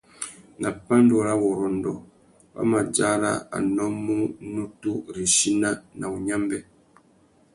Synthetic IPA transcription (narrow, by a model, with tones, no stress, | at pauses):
na˨pa˦n˦do˨ɾa˦wɔ˨ɾɔ˨n˨dɔ̰˨ | pa̰˦ma˨d͡ʒa˦ɾa̰˦a̰˨nɔ˦mːu˦nu˦tu˦ɾi˨ʃi˦na˦na˨u˨ɲa˦mbɛ˦